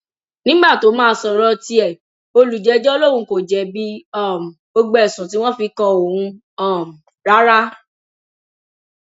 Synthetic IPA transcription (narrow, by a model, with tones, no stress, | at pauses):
nĩ˦ɡ͡ba˦˨to˨˦mãː˦˧sɔ˨ɾɔ˧ti˧˦ɛ˦˨ | o˧lu˨d͡ʒɛ˨˧˦d͡ʒɔ˦lo˦ɾũ˧˦ko˨d͡ʒɛ˨bi˦ɔ˦˨m̩˨bo˧ɡ͡bɛ˨sũ˨t̬i˨˦w̃ɔ̃˦fi˧kɔ̃˧o˨hũ˧ | ɔ˦˨m̩˨ | ɾa˦ɾa˦